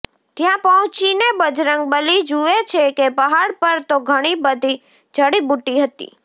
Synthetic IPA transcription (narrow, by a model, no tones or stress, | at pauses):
t̪jãpəɦʊ̃t͡ʃinebəd͡ʒɾəŋɡbəlid͡ʒuʋet͡ʃʰekepəɦaɽpəɾt̪oɡʱəɽ̃ibəd̪ʱi | d͡ʒʱəɽibuʈiɦət̪ḭ